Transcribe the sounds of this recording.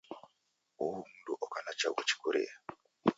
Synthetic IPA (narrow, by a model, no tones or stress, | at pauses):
oumunduʔɔkanat͡ʃawɔt͡ʃi̥koɾḛja